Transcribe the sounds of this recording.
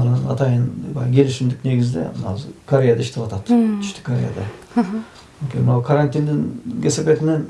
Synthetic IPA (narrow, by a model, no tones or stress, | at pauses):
ɑnɑnɑt̪ɑjənbɑ̰jkʲʰe̞lɪʃɪmd̪ɪkne̞ɡʲɪzɪd̪ḛmnɑ̰zkʰoɾʲejad̪ɑɪʃt̪epɑt̪ɑt̪t̪ʰʏ̥ʃt̪ɪ̥kʰːoɾʲeja̰d̪ɑ | onkʲenmɪnɑwkʰaɾant̪ind̪ɪŋkʲʰesepet̪ɪnen